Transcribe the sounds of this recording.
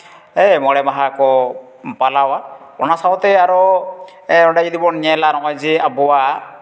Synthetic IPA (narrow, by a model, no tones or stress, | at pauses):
ejmɔɽɛmaɦakɔ | palawa | ɔ̰nasawɔt̪ɛaɾɔ | ɾɔɖaid̪ibɔnɲɛlanɔkɔjziabɔwa